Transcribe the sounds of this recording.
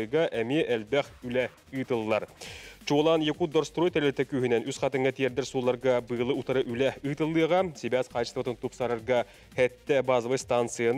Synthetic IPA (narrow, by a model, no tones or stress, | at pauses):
ɤjʁɑʔæmiʔælbæχʉlæ | ɯt̪ɤ̆lˠːɑɾt͡ʃulˠɑnjĕkud̪oɾst̪rojt̪æɾlæt̪ækʉhɘ̆nænʔʉsχæt̪ɤ̆ŋɡæt̪ijæɾd̪ɘɾsulˠɑɾʁɑbɤ̆jɤ̆lˠɤut̪ɤ̆ɾɤʔʉlæɯt̪ɤ̆lˠːɯjʁɑsibæsqɑjɤst̪ə̆t̪ɤɴt̪upsɑɾɤ̆ɾʁɑ | hæt̪ːæbɑzɤβɤst̪ant̪sɨjən